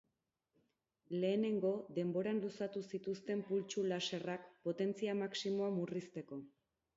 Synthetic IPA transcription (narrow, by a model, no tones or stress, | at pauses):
le̞ːne̞ŋɡo̞d̪e̞mbo̞ɾanlusat̪usit̪ust̪e̞mpult͡ʃulase̞rakpo̞t̪e̞nt͡siamaksimo̞amurist̪e̞ko̞